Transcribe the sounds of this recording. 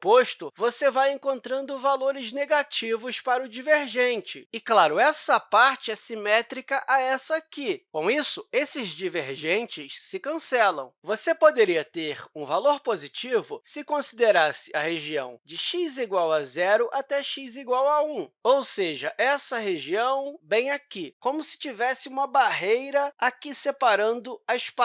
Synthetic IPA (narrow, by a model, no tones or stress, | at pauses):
poʃt̪ʊvosevajẽkõnt̪ɾɐ̃nd̪ʊvaloɾɪzneɡat͡ʃivʊspaɾʊd͡ʒiveɾʒẽnt͡ʃɪɪklaɾʊɛsɐpaɾt͡ʃɪɛsimɛt̪ɾikɐʔaɛsɐkɪkõw̃isʊesɪzd͡ʒiveɾʒẽnt͡ʃɪʃsɪkɐ̃sɛlɐ̰̃w̃vosepod̪eɾiɐt̪eɾũvaloɾpozit͡ʃivʊ̰sɪkõsid̪eɾasɪɐheʒiɐ̰̃w̃d͡ʒɪʃiziɡwawazɛɾʊʔat̪ɛʃiziɡwawaũowseʒɐʔɛsɐɦeʒiɐ̃w̃bẽj̃akikõmʊsɪ̥t͡ʃivɛsɪũmɐbaɦejɾɐakisepaɾɐ̃nd̪ʊɐɪʃpa